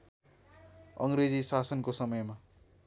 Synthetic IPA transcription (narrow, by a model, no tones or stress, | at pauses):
ʌŋɾed͡zisasʌnkosʌmʌjma